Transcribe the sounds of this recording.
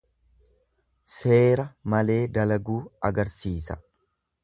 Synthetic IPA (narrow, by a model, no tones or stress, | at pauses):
se̞ːɾɐmɐle̞ːd̪ɐlɐɡuːɐɡɐɾsiːsɐ̥